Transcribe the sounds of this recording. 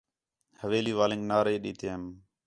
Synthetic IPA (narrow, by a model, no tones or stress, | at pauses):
həʋeːliːʋaːlɪ̃ːŋɡnaːɾeːɗiːt̪ʰem